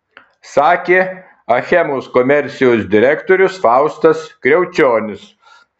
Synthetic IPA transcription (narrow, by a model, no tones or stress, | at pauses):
sɑːkʲeː | ɐxʲɛmoːskɔmʲɛɾʲt̪sʲɪjoːs̬d̪ʲɪɾʲɛkt̪oːɾʲʊsfɑˑʊst̪ɐskɾʲɛʊt͡ʃʲoːnʲɪs